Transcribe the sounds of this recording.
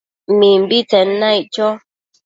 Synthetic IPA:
mim̩bitɛnːajt͡ʃɔ

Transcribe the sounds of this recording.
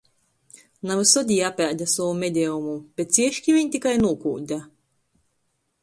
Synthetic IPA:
navɨsɔd̪ʲiːapʲæːd̪ʲasɔumʲed̪ʲɛumub̥ʲet̪̚sʲiɛʃkʲivʲiɲʲt̪ikajnuɔkuːd̪ʲa

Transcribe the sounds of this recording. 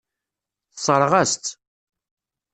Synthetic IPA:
θsˤəɾˤʁæst̪

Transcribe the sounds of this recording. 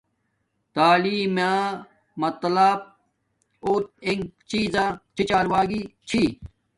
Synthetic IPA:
t̪aːliːmjaː | mɐt̪lab̚ | oːt̪̚iŋɡt͡ɕiːzãːt͡ɕit͡ɕaːɾʋaːɡiːt͡ɕʰiː

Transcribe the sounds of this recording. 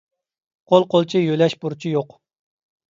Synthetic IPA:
qʰolˠqʰolˠt͡ʃʰijølɛʃbuɾt͡ʃʰijoq

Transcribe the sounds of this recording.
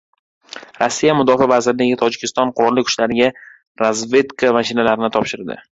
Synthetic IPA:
ɾasːijamʊd̪ɒfavazɪɾlɪɡʲɪt̪ʰɒd͡ʒɪkʲʰɪst̪ɒnqʰʊɾɒlːɪkʰʊ̥ʃlaɾɪɡʲa | ɾazve̞t̪kʰamaʃɪnalaɾɪnɪt̪ʰɒpʃɪɾd̪ɪ̰

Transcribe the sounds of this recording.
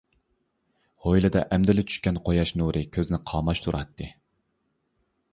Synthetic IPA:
hojlˠɨd̪ɛ̰ʔɛmd̪ɪlɪt͡ʃʰy̥ʃkʲɛnqʰojɑʃnuɾʔɨkʲʰøzɪnɪqʰɑːmɑʃt̪ʰuɾʔɑt̪ʰːɨ

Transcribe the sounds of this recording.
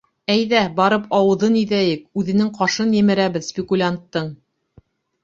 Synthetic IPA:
æjðæbɑɾɤpʰɑwɤ̆ðɤniðæjɘk̚ʉðɘ̆nɘŋqɑʃɤnjɘ̆mɘ̆ɾæβɘðsʲpʲɪkulʲant̪ːɤɴ

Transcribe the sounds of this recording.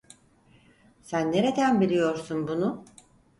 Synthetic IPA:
sænːe̞ɾe̞d̪ænbilʲijo̞ɾsunbunʊ

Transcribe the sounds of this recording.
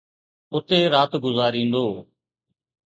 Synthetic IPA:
ʊt̪eːɾaːt̪ɡʊzaːɾĩːnd̪oː

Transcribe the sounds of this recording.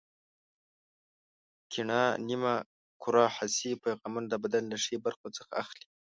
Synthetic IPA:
kʰiɳɑnima | kʰʊɾɑhasipajɣɑmand̪əbad̪allaʂebaɾxot͡səxa̰ːxli

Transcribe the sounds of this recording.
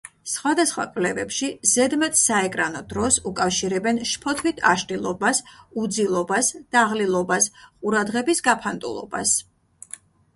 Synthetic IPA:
sχwad̪asχwa̰kʼlɛvɛpʃizɛd̪mɛt̪saɛkʼɾanɔd̪ɾɔsukʼafʃiɾɛbɛnʃpʰɔt̪ʰvit̪ʰaʃt̪ʼilˠɔbasud̪zilˠɔbasd̪̥aʁlilˠɔbasqʼuɾad̪ʁɛbisɡapʰant̪ʼṵlˠɔ̰ba̰s

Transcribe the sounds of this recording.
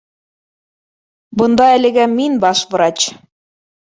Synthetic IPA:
bɤ̆nd̪ɑælɘ̆ɡæminbɑʃbɤ̆ɾɑt͡ɕ

